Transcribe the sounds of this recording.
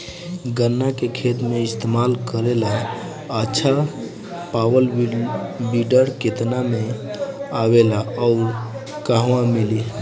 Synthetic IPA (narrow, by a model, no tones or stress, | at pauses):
ɡənːakekʰet̪meɪst̪emalkəɾela | ət͡ʃʰə | pawəl | biɖəɾket̪namẽ | awelaɔʊɾ | kaɦwãmili